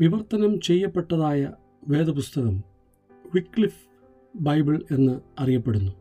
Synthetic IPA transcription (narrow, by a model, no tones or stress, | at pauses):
ʋiʋɐrt̪ːɐnɐmt͡ɕe̞jːɐpːe̞ʈːɐðaːjɐ | ʋe̞ːd̪ɐpust̪ɐɣɐm | ʋikːɭif | bɐjbiɭe̞nːɨɐrijɐpːe̞ɽunːu